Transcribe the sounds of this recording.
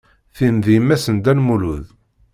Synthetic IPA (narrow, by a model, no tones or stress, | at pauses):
θimðimːæsənd̪ænmuluð